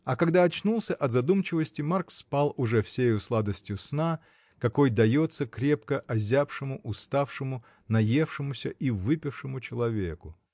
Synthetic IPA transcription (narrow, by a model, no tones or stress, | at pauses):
ɐkɐɡd̪aɐt͡ɕnulˠsʲəʔɐt̪zɐd̪umt͡ɕɪvəsʲtʲɪmarkspalˠʊʐɛfsʲejʊslˠad̪əsʲtʲjʊsna | kɐko̞jd̪ɐjot̪sːəkɾʲe̞pkəʔɐzʲafʂɨmʊʔʊst̪afʂɨmʊ | nɐje̞fʂɨmʊsʲəʔivɨpʲɪfʂɨmʊt͡ɕɪlˠɐvʲe̞̰kʊ